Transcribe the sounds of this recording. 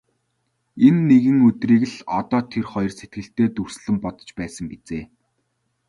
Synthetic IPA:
enːeɣɘ̆ŋɵt̪riːkɘ̆ɮɔt̪ɔːt̪ʰerχɔjrset̪̚ɡɘ̆ɬt̪eːt̪ur̥sɮɘ̆mpɔt̪ɞ̥̆t͡ɕpæːsə̆ŋɡet͡seː

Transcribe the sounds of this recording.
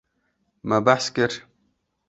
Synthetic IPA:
mabaħskəɾ

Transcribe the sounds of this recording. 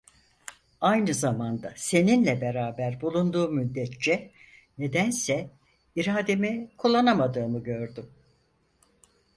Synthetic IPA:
ajnɯzamand̪ase̞ninlʲɛbe̞ɾaːbæɾbulˠund̪uːmyd̪ːɛt̪t͡ʃɛ | ne̞d̪ænsɛ | iɾaːd̪emikʰulˠːanamad̪ɯːmɯɟøɾd̪ym

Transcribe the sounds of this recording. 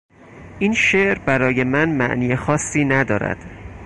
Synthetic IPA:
ʔiːnʃeʔɾbæɾɒːje̞mænmæ̰ʔniːjexɒːsːiːnæd̪ɒ̰ːɾæ̰d̪̥

